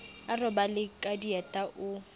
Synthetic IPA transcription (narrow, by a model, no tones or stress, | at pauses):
arɔbalɪkʼadiatʼaʔʊ